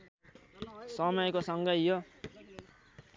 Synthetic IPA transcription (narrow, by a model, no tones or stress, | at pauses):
sʌmʌjekosʌŋɡʌjo